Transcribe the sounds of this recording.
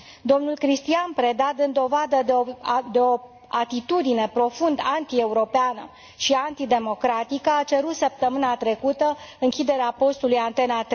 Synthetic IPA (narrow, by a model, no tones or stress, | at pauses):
d̪o̞mnulkɾist̪ianpɾe̞d̪ad̪ɨnd̪o̞vad̪əd̪d̪eo̞ | at̪it̪ud̪ine̞pɾo̞fund̪ant̪ie̞uɾo̞peanə̰ | ʃiant̪id̪e̞mo̞kɾat̪ikəat͡ʃeɾut̪səp̚t̪əmɨnat̪ɾe̞kut̪əɨŋkʲid̪e̞ɾeapo̞st̪ulujant̪e̞nat̪ɾe